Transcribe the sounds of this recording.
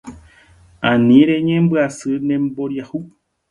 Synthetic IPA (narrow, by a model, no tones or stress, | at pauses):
ãnĩɾeɲẽmbɨasɨnẽmboɾjahu